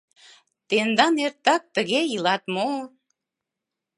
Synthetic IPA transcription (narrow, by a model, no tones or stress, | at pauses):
t̪end̪ɑneɾt̪ɑk̚t̪əɣejilɑt̪mo